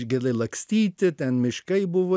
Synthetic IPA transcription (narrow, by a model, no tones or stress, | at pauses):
ʃɡʲɛlɐɪlˠɐksʲt̪ʲiːt̪ʲɪt̪ʲɛnmʲɪʃkɐɪbʊʋoː